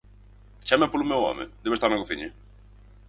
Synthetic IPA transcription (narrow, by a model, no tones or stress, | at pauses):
t͡ʃamepolʊmewɔ̰mḛd̪eβest̪aɾnaɣoθiɲe